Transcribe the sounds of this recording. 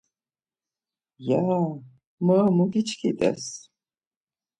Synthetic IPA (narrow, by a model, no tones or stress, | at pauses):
ja | məmuɡit͡ʃʰkʰit̪ʼɛ̰s